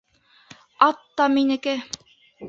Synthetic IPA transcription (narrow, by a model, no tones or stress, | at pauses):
ɑt̪ːɑminɘ̆kɘ